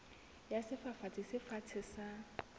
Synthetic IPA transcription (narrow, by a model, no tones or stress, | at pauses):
jasɪfafat͡sʰʼɪsɪfat͡sʰɪsa